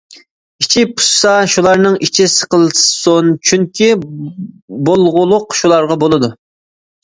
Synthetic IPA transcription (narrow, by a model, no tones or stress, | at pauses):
it͡ʃʰipʰu̥ssɑʃulˠɑɾnɨŋit͡ʃʰisə̥qəlˠsont͡ʃʰyŋkʲʰi | bolˠʁʊlˠʊqʃulˠɑɾʁɑbolˠɨd̪u